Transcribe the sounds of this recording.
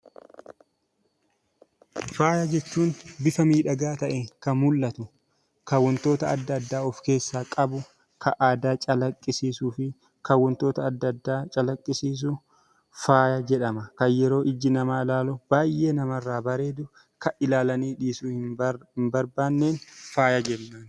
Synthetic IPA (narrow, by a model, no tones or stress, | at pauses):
faːjɐd͡ʒɛt͡ʃːuːnbɪfɐmiːᶑɐɡaːt̪ɐʔɛkɐnmʊlːɐt̪ʊ | kawːɔnt̪o̞ːt̪ɐːd̪ːɐd̪ːaːɔfke̞ːsːaːkʼɐbʊ | kʰɐʔaːd̪aːt͡ʃʼɐlɐkʼːɪsiːsuːfɪ | kɐwːɔnt̪o̞ːt̪ɐːd̪ːɐd̪ːaːt͡ʃʼɐlɐkʼːɪsiːs̬ʊ | faːjɐd͡ʒɛᶑɐmɐkɐjjɛɾo̞ːʔɪd͡ʒːɪnɐmaːlaːlɔb̥aːjʔe̞ːnɐmɐrːaːbɐɾe̞ːd̪ʊ | kɐʔɪlaːlɐniːᶑiːsuːhɪɪmbɐɾbaːnːeːnfaːjɐd͡ʒɛnːaːn